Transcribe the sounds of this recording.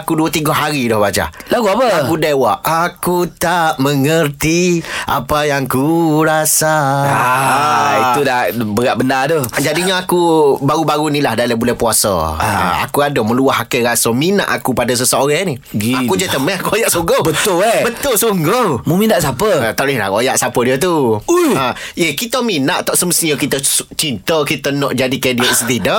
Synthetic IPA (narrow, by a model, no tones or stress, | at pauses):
akuduət̪iɡɔhɦaɾidɔhbad͡ʒa̰laɡuapəakudawaʔʔakut̪aʔməŋərt̪iʔa̰pajaŋkuɾasa | it̪udaʔbəɾaʔbəndadɔd͡ʒadiɲaakubaɾubaɾunilahdalabulɛhpuasɔ̰a̰a̰kuadɔmə̃luaɦakɛɾasəmina̰ʔakupadəs̬əsəoɾani | ɡiakud͡ʒat̪əmɛakuojaʔsoŋɡobət̪ʊlɛbət̪ʊlsoŋɡomuminaʔsapət̪ɔʔlɪla̰ojaʔsapədiət̪̬uuaekit̪əminaʔt̪ɔʔsəməst̪iɲəkit̪ət͡ʃint̪əkit̪ənɔʔd͡ʒadikediət̪sət̪idɔʔ